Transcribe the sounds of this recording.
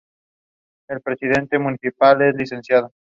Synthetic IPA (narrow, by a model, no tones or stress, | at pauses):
e̞lpɾe̞sið̞e̞nt̪e̞muniθipale̞zlise̞nsjað̞o